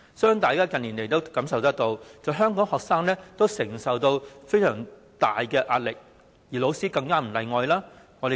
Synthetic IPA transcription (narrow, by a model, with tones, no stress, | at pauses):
sœː˥ŋt̪aː˨jkaː˥kɐ˨niː˨˩nle˨jt̪o˥wkɐ˨˥msɐ˨wt̪ɐ˥k̚t̪o˧wt͡sɐ˨wɦœː˥ŋkɔː˨˥ŋhɔː˨k̚saː˥ŋlɛː˥t̪o˥wsɪ˨˩ŋsɐ˨wt̪o˧wfe˥jsœː˨˩ŋ | t̪aː˨jkɛː˧ʔaː˧t̚lɪ˨k̚ | jiː˨˩lo˨˧wsiː˥kɐ˧ŋkaː˥m̩˨˩lɐ˨˧jŋɔː˨˧jlaː˥ | ŋɔː˨˧de˨˩